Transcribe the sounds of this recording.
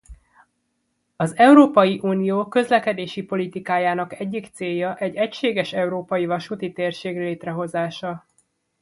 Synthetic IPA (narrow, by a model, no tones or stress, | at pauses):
ɒzɛuɾoːpɒjiʔuːnijoːkø̞zlɛkɛd̪eːʃipo̞lit̪ikaːjaːnɒkɛɟːikt̪seːjːɒʔɛɟɛcʃeːɡɛʃɛuɾoːpɒjivɒʃut̪it̪eːrʃeːɡleːt̪rɛɦo̞zaːʃɒ